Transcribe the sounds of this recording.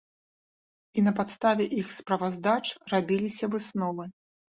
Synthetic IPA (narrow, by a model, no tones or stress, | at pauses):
inɐpat̪st̪avʲɛʔixspɾɐvazd̪at͡ʂrabʲilʲisʲɐvɨsnɔvɨ